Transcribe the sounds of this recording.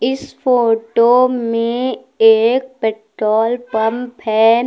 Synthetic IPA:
ɪspoːʈomẽ | eːk̚pɛːʈɾɔːlpɐmpʰɛː

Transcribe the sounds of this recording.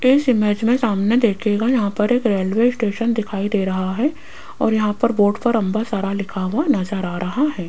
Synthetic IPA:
ɪsɪmeːd͡ʒmẽsaːmned̪eːkʰeːɡajɐɦãpɐɾeːkɾeːlʋeːɪsʈeːʃənd̪ɪkʰaːid̪eːɾɐɦaɦɛ | ɔːɾjɐɦãpɐɾboːʈpɐɾɐ̃mbasaɾalɪkʰaʋanɐzəɾaːɾɐɦaɦɛː

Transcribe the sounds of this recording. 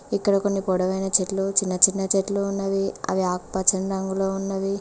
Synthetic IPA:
ikːɐɽɐko̞nːipoːɽɐʋɐjnɐt͡ʃeʈlut͡ʃinːɐt͡ʃinːɐt͡ʃeʈluːnːɐʋiɐ̰ʋiaːkpɐt͡ʃɐnɾɐŋɡuloːunːɐʋi

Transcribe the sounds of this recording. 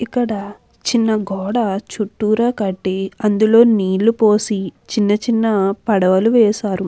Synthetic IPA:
ikːɐɽɐ | t͡ʃinːɐɡɔːɽɐt͡ʃuʈːuːɾaːkɐʈːeɐnd̪ulo̞ːniːlːupo̞ːsit͡ʃinːɐt͡ʃinːɐpɐɽɐʋɐluʋɛːsaːɾu

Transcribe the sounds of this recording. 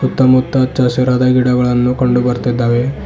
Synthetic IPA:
sut̪ːɐmut̪ːɐt͡ʃɐsɐɾɐd̪ɐɡiɽɐɡɐɭɐnːukɐɳɖubɐɾt̪id̪ːaːʋe

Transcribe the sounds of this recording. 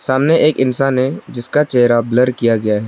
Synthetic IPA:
saːmneʔeːkɪnsaːnɦed͡ʒɪskat͡ʃɛɦɾabləɾkijaɡɐjaɦɛː

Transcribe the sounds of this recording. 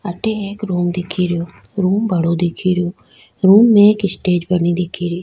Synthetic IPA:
əʈ̪eːeːkɾuːmd̪ɪkʰiːɾɪjoː | ɾuːmbəɽoːd̪ɪkʰiːɾɪjoː | ɾuːmːẽkɪsʈeːd͡ʒbəniːd̪ɪkʰːiːɾiː

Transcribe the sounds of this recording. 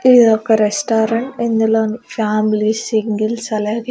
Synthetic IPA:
iðɐkːɐɾesʈaːɾɐɳʈenːilanfaːmilisiŋɡilsɐlaːɡi

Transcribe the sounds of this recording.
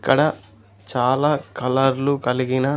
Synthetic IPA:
kːɐɽɐ | t͡ʃaːlaːkɐlɐɾlukɐliɡinɐ

